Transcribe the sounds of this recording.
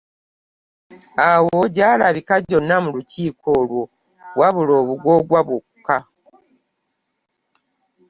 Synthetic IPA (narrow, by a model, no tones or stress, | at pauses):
awo̞ɟaːlaβikaɟo̞nːamuluciːkʰo̞ːlwo̞ | waβulo̞ːβuɡwo̞ɡwaβwokkːa